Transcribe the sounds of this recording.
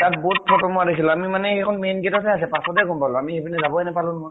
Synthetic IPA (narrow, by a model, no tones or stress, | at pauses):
tat̚bɔt̚pʰɔtɔmuadekʰilɔamimanɛekʰɔnmenɡetɔtʰɛas̬ɛpasɔtɛɡɔmpalɔ̃amihebinɛzabɔɛnɛpalũnmɔɹ